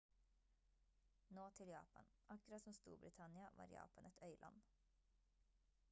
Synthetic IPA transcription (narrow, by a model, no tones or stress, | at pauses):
noːt̪ʰɪljɑ̰ːpɑ̰nʔɑkʉɾɑt̪sɔmst̪ṵːɾbɾɪt̪ʰɑnɪɑʋɑ̰ːɾjɑ̰ːpɑnʔɛt̪ʰœʏlʔɑ̰n